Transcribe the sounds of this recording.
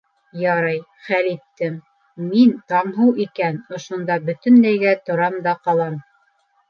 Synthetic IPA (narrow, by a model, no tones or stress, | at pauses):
jɑɾɑj | χælit̪ːɘmː | int̪ɑmɦɤwikænŏʃŏnd̪ɑbɵ̆t̪ɵ̆nlæjɡæt̪ŏɾɑmd̪ɑqɑlˠɑm